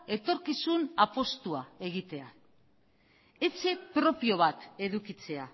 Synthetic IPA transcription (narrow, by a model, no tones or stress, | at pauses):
e̞t̪o̞ɾkisunapo̞st̪uae̞ɣ̞it̪e̞a | e̞t͡se̞pɾo̞pio̞β̞at̪e̞ðukit͡se̞a